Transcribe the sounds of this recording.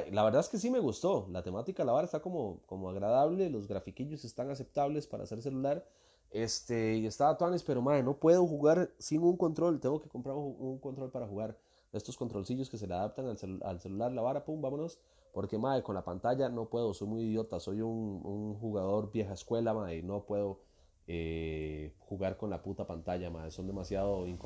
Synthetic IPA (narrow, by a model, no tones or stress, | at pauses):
melaβe̞ɾðaeske̞s̬ime̞ɣust̪o̞lat̪e̞mat̪ikalaβaɾaest̪ako̞mokomoaɣɾaðaβle̞lo̞zɡɾafikiʎo̞se̞st̪aŋas̬e̞p̚t̪aβle̞spaɾa̰ːse̞ɾs̬e̞lulaɾ | est̪eie̞st̪aβat̪wanespe̞ɾo̞maðeno̞pwe̞ð̞oxuɣaɾsiŋuŋko̞nt̪ɾo̞lt̪eŋɡoke̞ko̞mpɾaɾuŋko̞nt̪ɾo̞lpaɾaxuɣaɾ | e̞st̪oskont̪ɾo̞lsiʝo̞ske̞s̬e̞leað̞ap̚t̪aŋalsea̰lse̞lulaɾlaβaɾapumbamonos | po̞ɾke̞maðeko̞nlapant̪aʝano̞pwe̞ðoso̞jmujiðjo̞t̪aso̞jununxuɣaðo̞ɾbje̞xaeskwe̞lamaðeno̞pwe̞ð̞o̞ | e | xuɣaɾko̞nlaput̪apant̪aʝamaðeso̞nd̪e̞masjaðoiŋ